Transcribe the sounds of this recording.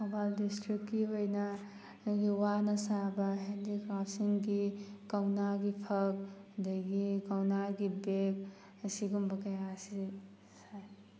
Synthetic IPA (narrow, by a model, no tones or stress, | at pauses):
hobaldistɾikːiɦojnɐ | jiwanɐsabɐɦendikɾapsiŋɡikawnaɡipʰɐk̚dɐjɡikawnaɡibek̚ | siɡumbɐkɐjasi | saj